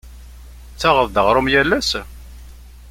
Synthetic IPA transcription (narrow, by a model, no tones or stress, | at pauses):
t͡sːaʁəðˤd̪əʁɾˤʊmjælːæs